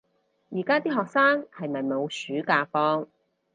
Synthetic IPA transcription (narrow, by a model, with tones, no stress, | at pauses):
jiː˨˩kaː˥t̪iː˥ɦɔː˨k̚saː˥ŋhɐ˨jmɐ˨jmo˨˧wsyː˨˥kaː˧fɔː˥ŋ